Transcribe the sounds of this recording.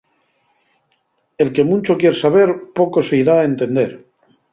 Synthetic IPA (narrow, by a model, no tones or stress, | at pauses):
e̞lke̞mũnt͡ʃo̞kje̞ɾsaβ̞e̞ɾpo̞ko̞se̞iðaent̪e̞nd̪e̞ɾ